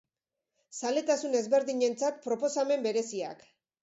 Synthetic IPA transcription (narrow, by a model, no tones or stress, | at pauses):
sale̞t̪asune̞zβe̞ɾðiɲe̞nt͡sat̪pɾo̞po̞same̞mbe̞ɾe̞sia̰k